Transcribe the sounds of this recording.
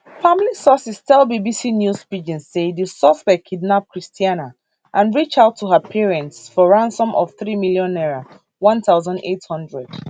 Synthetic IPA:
famlisɔsistʰɛlbibisinjuspid͡ʒĩnssedusɔsbɛkʰːidnap̚kʰɹistʰiana | ʔãnɹit͡ʃaʊtʰːuɦəpʰiɹɛ̃ntsfɔɹãnsɔ̃mʔɔ̰v̥θɹimiljɔ̃nɛɹa | wɔ̃nθaʊzãndḛthɔ̃ndɹɛd̥

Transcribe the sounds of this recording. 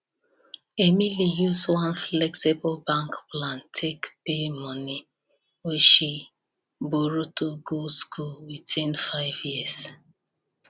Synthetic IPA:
emilijuzwãnflɛksibɔlbãŋkplãntʰekpemɔni | weʃi | boɾutoɡolskulwitĩnfaɪvjias

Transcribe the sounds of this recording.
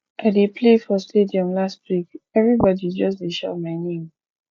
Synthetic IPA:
ʔaɪdepʰlefɔstediɔ̃mlastwikɛvɹibɔdid͡ʒɔstdeʃa̰maɪnẽm

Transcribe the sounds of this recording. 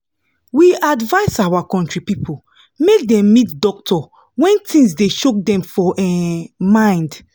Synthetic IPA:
wiadvaɪsawakɔ̃ntɹipipʰo | mek̚dɛ̃mːitdɔk̚tʰɔ | wɛ̃ntʰĩnsdeʃok̚dɛ̃mfɔʔɛmãɪ̃nd

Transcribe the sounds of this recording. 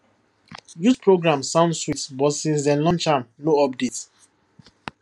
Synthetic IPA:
juspʰɹoɡɹãmsãʊ̃ndswitsbɔtsĩns̬dɛ̃nlɔ̃nt͡ʃãmnoɔp̚dit

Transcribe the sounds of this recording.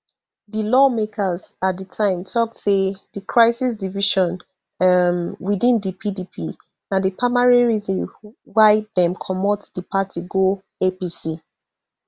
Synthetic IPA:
dilɔmekʰazat̚dətʰãɪ̃mtʰɔk̚edikʰɹaɪsisdiviʃɔ̃n | mwidĩndipʰidipʰi | nãdəpʰamaɹiɹizɔ̃nwaɪdɛ̃mkʰɔmɔtsdipʰatʰiɡo | episi

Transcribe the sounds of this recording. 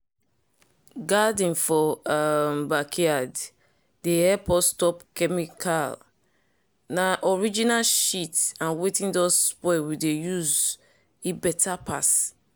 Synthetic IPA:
ɡadĩnfɔmbakʰiad | dehɛpʰɔstɔpkɛmikʰal | naʔɔɹid͡ʒinalʃitãnwetĩndɔzspɔɪwidejuz | ebɛtʰapʰa̰s

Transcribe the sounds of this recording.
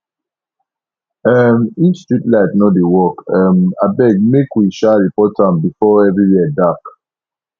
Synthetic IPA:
ɛmit͡ʃstɹitlaɪtnɔdewɔkɛmabɛɡ̚mekwiʃaɹipɔtʰãmbifɔɛvɹiwɛɛdak

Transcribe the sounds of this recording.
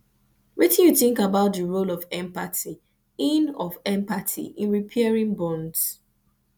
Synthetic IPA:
wɛtĩnjuθĩŋkabaʊt̚dəɹolɔvɛ̃mpati | ĩnɔvɛ̃mpatʰḭʔĩnɹipʰɛɹĩnbɔ̃nds

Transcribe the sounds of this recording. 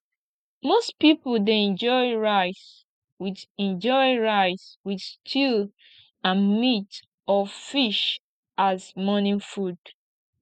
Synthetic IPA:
mospipldeɛ̃nd͡ʒɔɪɹaɪs | wiðɛ̃nd͡ʒɔɪɹaɪswið̥stʰil | ãnmit | ɔfiʃ | ʔazmɔnĩfud

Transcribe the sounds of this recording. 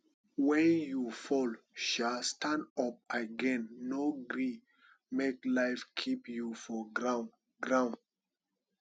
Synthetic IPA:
wɛ̃njufɔlʃalstãndɔp̚aɡɛ̃nːoɡɾi | meklaɪfkʰipjufɔɡɹãn | ɡɹãnd

